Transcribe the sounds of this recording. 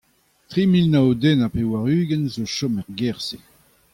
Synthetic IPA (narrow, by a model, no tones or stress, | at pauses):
t̪ʁimilnaod̪ɛnapewaʁyːɡɛnzoʃɔmɛʁɡɛʁse